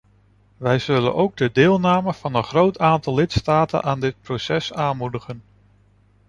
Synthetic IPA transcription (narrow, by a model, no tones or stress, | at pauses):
ʋɛjz̥ɵlə̰nʔowɡ̚dədɪːlˠnaːməv̥ɑnənχrowtʰaːntɑlːɪtstaːtə̰nʔaːndɪt̚prowsɛsaːnmudəχən